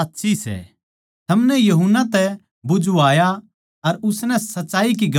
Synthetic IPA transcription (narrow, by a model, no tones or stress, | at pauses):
t̪ːʃʰisɛ̰ | t̪ʰɐmnɛjɐɦʊnːat̪ɛ | bʊd͡ʒuaːja | ɐɾʊsnɛ̃sɐtːsaːik̬iɡɐ